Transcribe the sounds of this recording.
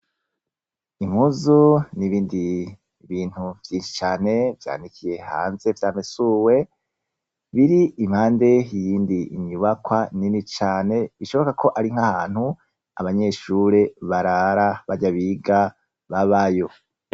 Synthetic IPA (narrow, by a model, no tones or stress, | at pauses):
im̥huzuniβiːndi | βiːn̥huv̥jiːnʃi̥t͡ʃaːne̞vja̰ːndikʰije̞ha̰ːnze̞vjaːmesuːwe̞ | βiɾiim̥haːnde̞jiːndiːɲuβakwaninit͡ʃaːne̞βiʃo̞βokakʰo̞ʔaɾiŋ̥hahaːn̥hu | a̰βaɲe̞ʃuɾe̞βaɾaɾaβaɟaβiɡa | βaβajo̞